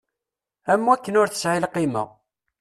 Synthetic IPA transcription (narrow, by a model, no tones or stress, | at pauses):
æmːwækːənʊɾθə̥sʕɪlqimə̰ʁ